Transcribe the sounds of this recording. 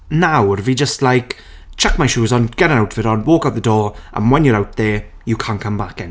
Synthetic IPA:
nawrviːd͡ʒəstˡlajk | t͡ʃʰɛkmajʃuːzɔnɡ̥ɛɾə̃nawtv̥ɪɾɔnwɔːkawt̚ðədɔːʔə̰̃nwɛnjəɾawt̚ðe | jəkʰãnkʰə̃mbakɛ̃n

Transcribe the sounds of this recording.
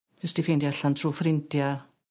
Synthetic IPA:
vɪsdifeːndiaɬantʰruːfrɪntja

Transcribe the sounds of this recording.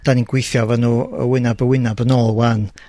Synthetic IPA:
d̥aninɡ̥wejθjɔvanuːə̰wɪnabəwɪnabənɔlˠwan

